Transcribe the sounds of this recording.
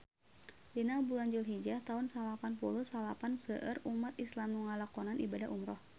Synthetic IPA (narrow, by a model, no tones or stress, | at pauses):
dinabulaɲd͡ʒulɦid͡ʒat̪aunsalapanpuluhsalapansəʔərumat̪islamnuŋalakɔnanʔibadaɦʔumɾɔh